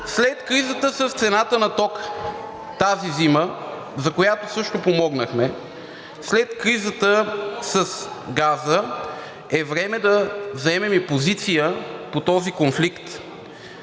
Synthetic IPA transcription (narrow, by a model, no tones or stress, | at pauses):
slɛt̪kɾizət̪əsəst̪sɛnat̪ənɐt̪ɔk | t̪azizimə | zɐkojat̪osɤʃt̪opomɔɡnəxmɛ | slɛt̪kɾizət̪əsəsɡazə | ɛvɾɛmɛd̪ɐzɐɛmɛmipozit̪sijəpot̪ɔzikonflikt̪